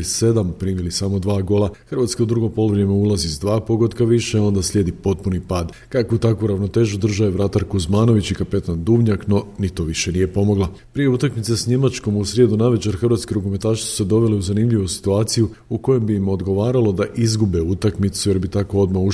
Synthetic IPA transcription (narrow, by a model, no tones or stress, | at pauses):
ise̞d̪ampɾiːmilisamo̞d̪ʋaːɡo̞lˠaxr̩ʋat̪skeud̪ɾuɡo̞po̞luʋɾjemeulˠazizd̪ʋaːpo̞ɡo̞d̪kaʋiʃeo̞nd̪aslʎe̞d̪ipo̞t̪̚punipaːd̪ | kakout̪akuɾaʋno̞t̪e̞ːʒud̪r̩ʒaeʋɾat̪aɾkuzmaːno̞ʋit͡ɕikape̞t̪and̪ubɲakno̞nit̪oʋiʃe̞nije̞po̞mo̞ɡlapɾije̞ut̪akmit̪sesɲe̞mat͡ʃko̞musɾʲje̞d̪unaʋe̞t͡ʃeɾxrʋat̪keɾukumet̪aːʃi̥su̥sed̪o̞ʋe̞leuzanimʎiʋusi̥t̪uaːt̪siju | uko̞jo̞mbiːmo̞d̪ɡo̞ʋaːɾalo̞d̪aʔizɡubeut̪akmit̪suje̞ɾbit̪ako̞o̞d̪mau